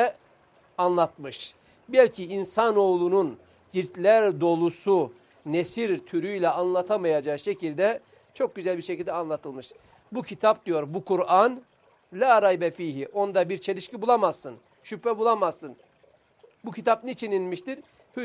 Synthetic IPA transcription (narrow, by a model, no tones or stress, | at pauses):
anlˠat̪̚mɯʃ | bɛlʲcʰiinsano̞ːlˠunun | d͡ʒiɾt̪lʲæɾd̪o̞lˠusu | nesiɾt̪ʰyɾyjlʲɛanlˠat̪ʰamajad͡ʒaʃecʰilʲd̪ɛ | t͡ʃʰo̞k̚ɟyzælʲbiɾʃecʰilʲd̪ɛanlˠat̪ʰɯlˠmɯʃ | bucʰit̪ʰap̚d̪yjo̞ɾbukʰuɾan | lʲaːɾajbɛfiːɦiʔo̞nd̪abiɾt͡ʃʰe̞lʲiʃcibulˠamaz̥sɯn | ʃypʰɛbulˠamazsɯn | bucʰit̪ʰap̚nit͡ʃʰininmiʃt̪iɾ | h